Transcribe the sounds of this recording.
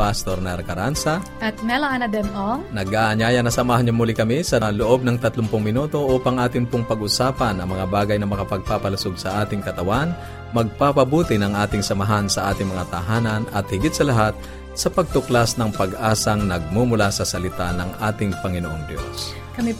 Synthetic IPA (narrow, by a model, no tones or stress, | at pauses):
past̪oɾnɛɾkɐɾansɐʔɐt̪̚mɛlɐŋɐnɐd̪ɛmʔoŋnɐɡaːʔɐɲaːjɐnɐsɐmaːɦɐnɲʊmːʊlɪkɐmisɐloʔo̞b̚nɐŋt̪ɐt̪lʊŋpʊŋmɪnuːt̪o̞ʔuːpɐŋʔaːt̪ɪnpʊŋpɐɡʔʊsaːpɐnʔɐŋmɐŋabaːɡɐjnɐmɐkapɐɡ̚papɐlʊsoɡsɐʔaːt̪ɪŋkɐt̪ɐwan | mɐɡ̚papɐbuːt̪ɪnɐŋʔaːt̪ɪŋsɐmɐɦansɐʔaːt̪ɪŋmɐŋat̪ɐɦaːnɐnɐt̪̚hɪɡɪt̪̚sɐlɐɦat̪̚ | sɐpɐɡ̚t̪ʊklasnɐŋpɐɡʔaːsɐŋnɐɡ̚mumʊlasɐsɐlɪt̪anɐŋʔaːt̪ɪŋpɐŋɪnoʔo̰ŋd̪jo̰s | kɐmi